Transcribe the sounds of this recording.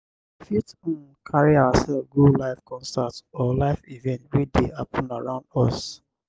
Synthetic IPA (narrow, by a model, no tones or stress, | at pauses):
fitɔ̃n | kʰaɹiawasɛlfɡolaɪfkʰɔ̃nstatɔlaɪfivɛ̃ntɹideapʰə̃naɹãʊ̃ndɔs